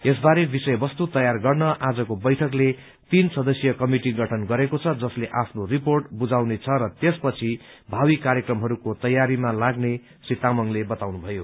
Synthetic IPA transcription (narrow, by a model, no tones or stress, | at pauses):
es̬baɾebisʌjbʌst̪ut̪ʌjarɡʌrnʌʔad͡zʌkobʌjʈʰʌkle | t̪insʌd̪ʌsjʌkʌmiʈiɡʌʈʰʌnɡʌɾekot͡sʰʌd͡zʌsleʔapʰnoriporʈbud͡zawnet͡sʰʌɾʌt̪espʌt͡sʰi | bʱawikaɾjʌkrʌmɦʌɾukot̪ʌjaɾimalaɡne | sit̪amʌŋlebʌt̪awnubʱʌjo